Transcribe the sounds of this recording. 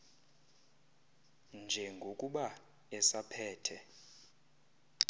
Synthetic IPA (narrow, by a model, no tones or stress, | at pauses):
nd͡ʒʱɛŋɡʱokʼuɓa | ɛsapʰɛːtʰɛ